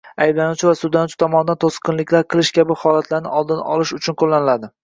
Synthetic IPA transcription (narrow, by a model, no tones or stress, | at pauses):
ajblanut͡ʃʰɪvasʊd̪anut͡ʃʰɪ̥t̪ʰɒmɒnɪd̪ant̪ʰosqʰɨnlɪkʲʰlaɾqʰɨlˠɪʃkʲʰabɪhɒlat̪ʰlaɾnɪ̰ʔɒlˠd̪ɪnɒ̰lˠɪʃʊt͡ʃʰʊnqʰolːanɪlad̪ɪ